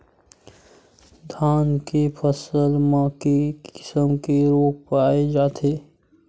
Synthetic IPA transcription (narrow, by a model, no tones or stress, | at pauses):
d̪ʱaːnkepʰəsəlmãkekɪ̥səmkeɾoːk̚paːed͡ʒaːt̪ʰeː